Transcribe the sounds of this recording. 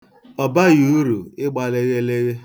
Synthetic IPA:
ɔ˨ba˦ju˨˦ɾu˨ɪ˦ɡ͡ba˨le˦ɣe˦le˦ɣe˦

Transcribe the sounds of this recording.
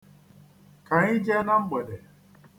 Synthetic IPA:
ka˨ɲɪ˦d͡ʒɛ˦na˦ŋ͡m̩˦ɡ͡be˨de˨

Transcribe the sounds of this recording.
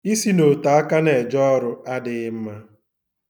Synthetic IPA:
i˦si˦no˨ta˨a˦ka˦ne˨d͡ʒɔ˦ɾʊ˦a˦dɪ˦ɪ˦m̩˦ma˦

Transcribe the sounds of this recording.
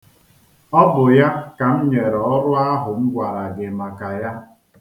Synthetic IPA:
ɔ˦bʊ˨ja˦ka˨m̩˦ɲe˨ɾɔ˨ɔ˦ɾʊ˦a˦ɦʊ˨m̩˦ɡʷa˨ɾa˨ɡɪ˨ma˨ka˨ja˦

